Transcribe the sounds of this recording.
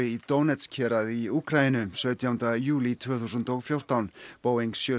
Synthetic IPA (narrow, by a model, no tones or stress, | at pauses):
ɪit̪oːwnɛt̪scʰɛːɾaðiuːkʰɾajɪnʏsœːɥt̪jawnt̪ajuːlit̪ʰvœːθusʏnt̪oɣfjowr̥t̪awnpoːwiŋsjœː